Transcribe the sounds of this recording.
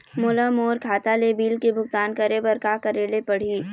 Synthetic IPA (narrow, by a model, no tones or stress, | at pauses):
moːlamoːɾkʰaːt̪alebiːlkebʱʊɡt̪aːnkɐɾebɐɾkakɐɾeːlepɐɽ̤iː